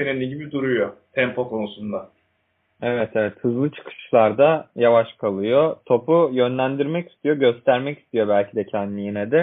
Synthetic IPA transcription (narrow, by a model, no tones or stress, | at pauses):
eninlʲiɟibid̪uɾujot̪ʰɛmpʰo̞kʰo̞nusund̪a | evɛt̪ʰevɛt̪hɯzlˠɯt͡ʃʰɯ̥kʰɯ̥ʃlˠaɾd̪ajavaʃkʰalˠɯjo̞t̪ʰo̞pujø̞nlʲænd̪iɾmɛci̥st̪ijo̞ɟø̞st̪ʰæɾmɛci̥st̪ijo̞bælʲcʰid̪ɛcʰænd̪lʲijinɛd̪ɪ